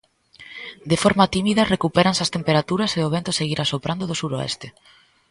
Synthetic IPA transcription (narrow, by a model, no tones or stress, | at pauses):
d̪efɔɾmat̪imiðɐrekupeɾansɐst̪empeɾat̪uɾɐseoβ̞ent̪ʊseɣiɾʔasopɾand̪oðʊsuɾoɛ̰st̪ɪ